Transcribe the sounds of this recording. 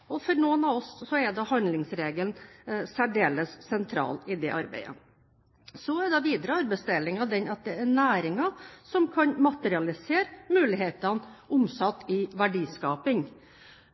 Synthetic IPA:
ɔfɔɾnuːənɑʋɔsːɔɛd̪ɑhɑnd̪lɪŋsɾeːɡəlnsæɖeːləsːɛnt̪ʰɾɑ̰ːlɪd̪ɛ̰ʔɑɾbæ̰ɪə̰ | sɔæd̪ɑʋiːd̪əɾəɑɾbɛɪst̪ɛlːɪŋɑd̪ɛnɑt̪̚d̪ɛæɾnæːɾɪŋɑsɔmkʰɑnmɑt̪əɾɪɑlɪseːɾmʉːlɪɦeːt̪ɑnʊmsɑt̪ːɪʋæɖiːskɑːpɪŋ

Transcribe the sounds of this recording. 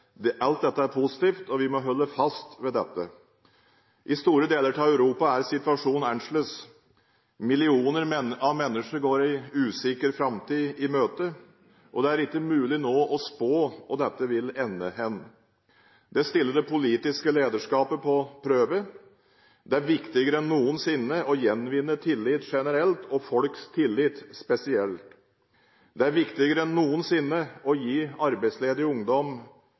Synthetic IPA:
d̪ʔɑlt̪̚d̪ɛt̪ːəæɾpʰʊsɪ̥t̪iːft̪ɔʋɪmɔɦɔlːəfɑst̪ʋɛd̪ɛt̪ːə | ʔɪst̪uːɾəd̪eːləʈʰɑːœʉɾuːpɑæɾsɪt̪ʉɑʂuːnæɳʂløs | mɪlɪuːnəɾɑʋmɛnːəʂəɾɡoːɾɪʉːsɪkəɾfɾɑmt̪ʰiːɪmøːt̪ə | ʔɔd̪ɛæɾɪkːəmʉːlɪnoːʔɔspoːɔd̪ɛt̪ːəʋɪlɛnːəhɛn | d̪̥ɛst̪ɪlːəɖɛpʊliːt̪ɪskəleːd̪əʂkɑːpəpʰɔpʰɾøːʋə | d̪ɛæɾʋɪkt̪ɪɡəɾəɛnːuːənsɪnːəʔɔjɛnʋɪnːət̪ʰɪlːɪt̪ʂɛnəɾɛlt̪ʰɔfɔlkst̪ʰɪlːɪt̪spɛsɪɛlt̪ | d̪ɛæɾʋɪkt̪ɪɡəɾəɛnːuːənsɪnːəɔjiːɑɾbæɪsleːd̪ɾɪʊŋd̪ɔm

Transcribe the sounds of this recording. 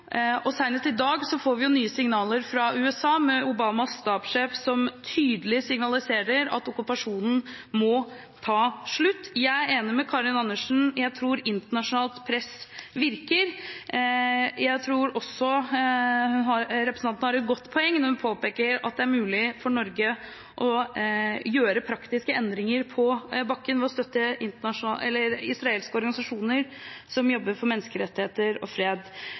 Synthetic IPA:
ʔɔsæɪnət̪ɪd̪ɑːɡsɔfoːɾʋɪjʊnyːəsɪŋnɑːləɾfɾɑʉːɛsɑːmɛʊbɑːmɑsːt̪ɑːpʂeːfsɔmt̪ʰyːd̪əlɪsɪŋnɑlɪseːɾəɾɑ̰t̪ʊkʉpɑʂuːnn̩ | mɔ | t̪ʰɑːʂɭʉt̪ːjæɪæeːnɪmɛkʰɑɾɪnɑnːəʂn̩jæɪt̪ʰɾuːɾɪnt̪əɳɑʂʊnɑːlt̪pʰɾɛsʋɪɾkəɾ | jæɪt̪ʰɾuːɾɔsːɔ | hʉnɦɑɾɾɛpɾəsn̩ɑnt̪nhɑɾɛt̪̚ɡɔt̪ːpʰɔɛŋːnɔhʉnpʰoːpeːkəɾɑ̰t̪̚d̪ɛæɾmʉːlɪfɔɳɔɾɡə | ʔɔ | jøːɾəpʰɾɑkt̪ɪskəɛnd̪ɾɪŋəɾpʰɔbɑkːənʋɛɔst̪œt̪ːəʔɪnt̪əɳɑʂʊnɑɛ̰lːəɾɪsɾɑeːlskəɔɾɡɑnɪsɑʂuːnəɾ | sɔmjɔbːəɾfɔɾmɛnːəskəɾɛt̪ːɪheːt̪əɾɔ̰fɾeːd̪

